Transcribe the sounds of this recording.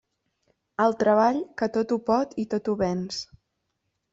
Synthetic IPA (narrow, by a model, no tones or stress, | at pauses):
əlˠt̪ɾəβaʎkət̪ot̪upɔt̪it̪ot̪uβɛns